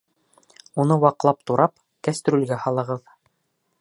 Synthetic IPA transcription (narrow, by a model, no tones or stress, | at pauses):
unɤwɑqlˠɑp̚t̪uɾʔɑp | kæst̪ɾulɡæhɑlˠɤ̆ʁɤð